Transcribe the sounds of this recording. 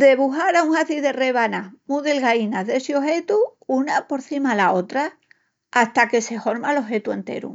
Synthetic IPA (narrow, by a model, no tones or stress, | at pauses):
d̪e̞βuɦaɾauŋhaθiðe̞reβanamũðe̞lɣainaðe̞sjo̞ɦe̞t̪uunapo̞ɾθimaːlao̞t̪ɾa | ast̪ake̞se̞ho̞ɾmalo̞ɦe̞t̪ue̞nt̪e̞̰ɾṵ